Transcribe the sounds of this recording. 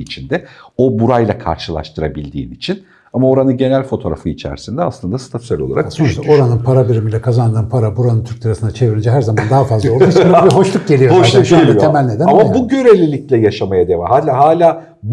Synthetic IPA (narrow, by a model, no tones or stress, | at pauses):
it͡ʃʰind̪ɛo̞buɾajlˠakʰa̰ɾʃɯlˠa̰ʃt̪ʰɯɾa̰bilʲd̪ḭːnit͡ʃʰin | amao̞ɾanɯɟe̞nælʲfo̞t̪ʰo̞ɾa̰fɯit͡ʃʰæ̰ɾsind̪ɛa̰slˠɯnd̪ast̪ʰat̪ysɛlʲo̞lˠaɾasonɾso̞ɾanɯnpʰaɾabiɾimilʲɛkʰazand̪ɯːnpʰaɾabuɾanɯnt̪ʰyɾk̚d̪ɯɾasɯnat͡ʃʰe̞viɾind͡ʒɛɦæɾzamnd̪aɦafazlˠalˠusinabiɦo̞ʃlˠuk̚ɟe̞lʲijoaajt̪ʰemælʲne̞d̪ænamabuɟø̞ɾelʲilʲic̚lʲɛjaʃamajad̪e̞vahaːlʲaːɦaːlʲaː | b